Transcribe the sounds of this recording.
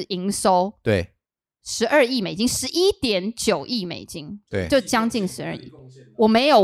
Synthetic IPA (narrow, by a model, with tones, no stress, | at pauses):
i˧˥ŋʂo˥ʊt̪we˥˩ | ʂɻ̩˧˥ʔə˞˥˧i˥˨˩me˨˩ɪt͡ɕi˦ŋʂɻ̩˧˥ʔi˦˥t̪jɛ˨˦nt͡ɕjo˨˩ʊʔi˥˩mḛ˨˩ɪt͡ɕi˦˥ŋt̪we˥˩jo˥˨˩ʊt͡ɕjɑ˥ŋt͡ɕi˥˩ŋʂɻ̩˧˦ə̰˞˥˧ḭ˥˩wɔ˨˩me˧˥ɪjo˨